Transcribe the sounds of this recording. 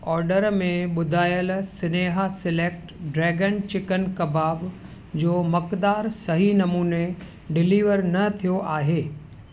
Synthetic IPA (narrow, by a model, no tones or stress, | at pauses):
ɔːɾɖəɾmẽɓʊd̪ʱaːjəlsɪneːɦasɪleːk̚ʈɖɾɛːɡənt͡ɕɪkənkɐbaːb | d͡ʑoːmɐkd̪aːɾsɐɦinɐmuːne | ɖɪliːʋəɾnɐt̪ʰijoʔaːɦeː